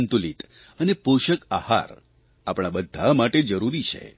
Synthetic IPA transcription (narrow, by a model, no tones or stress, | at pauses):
nt̪ulit̪ | ənepoʃəkaha̰ɾ | apɽ̃abəd̪ʱːamaʈed͡ʒəɾuɾit͡ʃʰḛ